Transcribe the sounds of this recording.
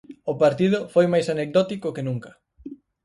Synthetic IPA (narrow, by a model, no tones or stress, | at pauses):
ʊpaɾt̪ið̞ʊfojmajsanek̚d̪ɔt̪ikʊkenũŋkɐ̥